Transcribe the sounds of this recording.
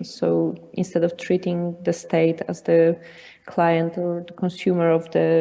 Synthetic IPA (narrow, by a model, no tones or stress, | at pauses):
soʊʔɪ̃nst̪ɛdɔftʰɹitɪ̃ŋd̪əst̪eɪtʰæzðə | kʰlajə̃ntɔɹðəkɔ̃nsjumə˞ɔvd̪ə